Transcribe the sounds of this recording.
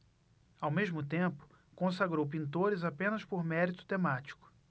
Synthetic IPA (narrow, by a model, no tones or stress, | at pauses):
awmeʒmʊt̪ẽpʊ̥ | kõs̬aɡɾowp̬ĩnt̪̬oɾɪzapẽnɐspoɾmɛɾit̪ʊ̥t̪emat͡ʃi̥kʊ̥